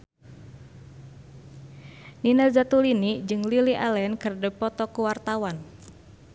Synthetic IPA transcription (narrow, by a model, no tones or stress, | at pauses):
ninazat̪ulinid͡ʒɨŋliliʔalɛnkərdəpɔt̪ɔkuwart̪awan